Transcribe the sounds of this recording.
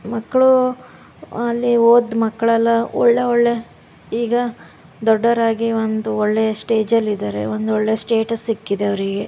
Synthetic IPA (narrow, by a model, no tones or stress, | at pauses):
mɐkːɐɭu | ɐlːioːd̪mɐkːɐɭɛlːɐɔ̰ɭːe̞ɔɭːe̞ | iːɡɐ | d̪ɔɖːɐɾaːɡiond̪uɔɭːesʈe̞ːd͡ʒɐlːid̪aːɾe̞̰ond̪uɔɭːesʈe̞ːʈɐsːikːid̪eɐʋɐɾiɡe̞